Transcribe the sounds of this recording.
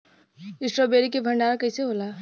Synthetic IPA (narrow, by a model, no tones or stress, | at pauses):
ɪsɾobeːɾikebʱɐ̃ɳɖaːɾakɐseɦoːla